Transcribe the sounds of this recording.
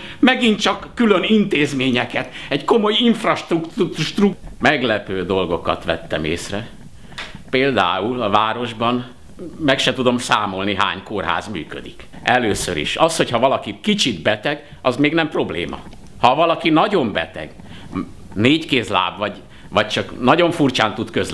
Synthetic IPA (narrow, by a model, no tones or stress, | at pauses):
mɛɡint̪t͡ʃɒkːylønint̪eːzmeːɲɛkɛt̪ɛɟko̞mo̞jiɱfrɒʃt̪rukt̪ʃt̪rukmɛɡlɛpøːd̪o̞lɡo̞kɒ̰t̪ʋɛt̪ːɛmḛːsrɛ | peːld̪a̰ːulɒvaːɾo̞ʒbɒn | mɛkʃɛt̪ud̪o̞msaːmo̞lniɦa̰ːɲkoːrɦa̰ːzmy̰ːkø̰d̪ik | ʔɛløːsø̰ɾḭʃɒsho̞chɒvɒlɒkikit͡ʃid̪bɛt̪ɛɡ | ʔɒzmeːɡnɛmpro̞blḛːmɒ̰ | hɒvɒlɒkinɒɟo̞mbɛ̰t̪ɛ̰ɡ | neːckeːsla̰ːbʋɒɟ | ʋɒc̚t͡ʃɒknɒɟo̞ɱfurt͡ʃaːnt̪ut̪køz